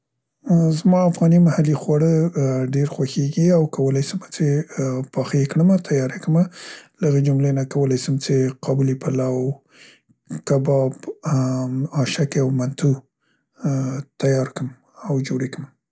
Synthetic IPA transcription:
zmɑafɣɑnimahalixwaɽəɖeɾxwaxeɡiawkawəlajsəmat͡sepɑxikɽəmat̪ʰajɑɾekəmalaɣed͡ʒʊmlenakawəlajsəmt͡ʃeqʰɑbulipalaw | kabɑb | ɑʃakawmant̪u | t̪ajɑɾkəm | awd͡ʒoɾekəm

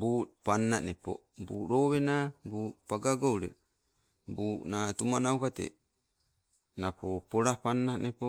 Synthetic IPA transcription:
buːpanːanepo̰ | bṵːɾoβenabuːpaɡaɡowɾe | buːnatumanaukatḛ | napopoɾapanːanepo

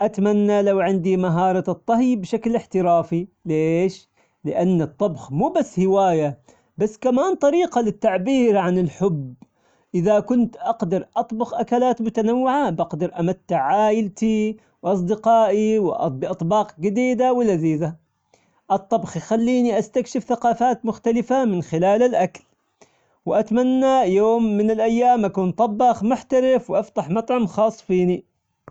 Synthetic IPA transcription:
ʔat̪manːalawʕɪnd̪imaɦɑːɾˤɑt̪ˤːɑɦjbʃaklɪħt̪ɪɾaːfileːʃ | lɪʔanːɨt̪ˤːɑbxmuːbasːhɪwaːja | basːkamaːnt̪ˤɑɾiːqɑlɪt̪ːaʕbiːɾʕanɪlħʊb | ʔɪðakʊnt̪ʔɑqd̪ɑɾˤʔɑt̪ˤbʊxʔakalaːt̪mʊt̪anawːɪʕabɑqd̪ɑɾˤʔamat̪ːɪʕʕaːjɪlt̪i | wʔɑs̬ˤd̪ɪqɑːʔiwʔbɪʔɑt̪ˤbɑːqɡɪd̪iːd̪awɪlːaðiːða | ʔɨt̪ˤːɑbxjxalːiːniʔast̪akʃɪfθaqɑːfaːt̪mʊxt̪alɪfamɪnxɪlaːlɪlʔakl | wɪʔat̪manːajoːmːɪnɪlʔajːaːmʔakuːnt̪ˤɑbːɑxmʊħt̪aɾɪfwʔaft̪aħmɑt̪ˤʕʊmxɑːsˤːfiːni

